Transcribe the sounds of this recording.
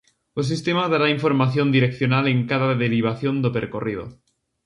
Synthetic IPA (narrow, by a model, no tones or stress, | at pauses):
os̬ist̪emaðaɾaiɱfo̞ɾmaθjo̞nd̪iɾekθjonale̞ŋkaðaðeɾiβ̞aθjo̞nd̪opeɾkorið̞o̰